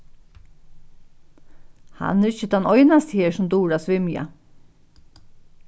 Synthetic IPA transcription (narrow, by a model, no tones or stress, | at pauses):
ha̰nɛɾɪçəd̪anɔʏnast̪əheːʂʊmd̪uːɹasʋɪmja̰